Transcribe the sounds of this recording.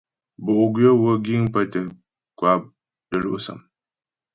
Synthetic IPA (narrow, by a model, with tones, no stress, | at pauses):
bo˨ʔʊ˨ɡjo˦wo˦ɡi˦ŋ˦pə˦tə˨ | kwa˨p̚ | də˨lo̰˦ʔsə̰˨m